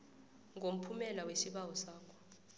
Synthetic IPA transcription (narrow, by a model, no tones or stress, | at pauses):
ŋʱom̩pʰumɛlawesiɓawɔsaːkʰɔ̥